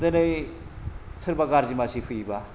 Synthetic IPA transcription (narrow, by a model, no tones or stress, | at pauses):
d̪ɐnɯj | sɯɾbaɡaɾd͡ʒimasipʰɯiba